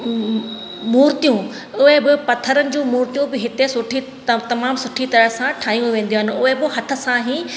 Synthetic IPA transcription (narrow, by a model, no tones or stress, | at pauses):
muːɾt̪ijũ | ʊɦebɪpɐt̪ʰəɾənɪ̆d͡ʑũːmuːɾt̪ijũbɪɦɪt̪esʊʈʰi | t̪ɐmaːmsʊʈʰit̪ɐɾəɦsãʈʰaːĩj̃ʋẽːn̆d̪ijoːɦɪnɪ̆ʊɦebɪɦɐt̪ʰə̆sãɦiː